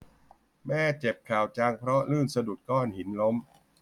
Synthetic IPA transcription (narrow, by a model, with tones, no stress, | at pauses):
mɛː˥˩t͡ɕe˨˩p̚kʰaː˨˩wt͡ɕaː˧ŋpʰɾɔ˦˥lɯː˥˩nsa˧du˨˩t̪̚kɔː˥˩nhi˩˦nlo˦˥m